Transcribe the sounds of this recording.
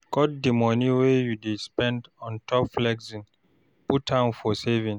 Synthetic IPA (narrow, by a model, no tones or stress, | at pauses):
kɔt̚dimɔniwejudespɛ̃ndɔ̃ntʰɔpflɛɡzĩn | putʰãnfɔsevĩn